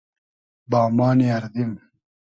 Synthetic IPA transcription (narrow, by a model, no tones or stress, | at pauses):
baːmaːniɐɾd̪im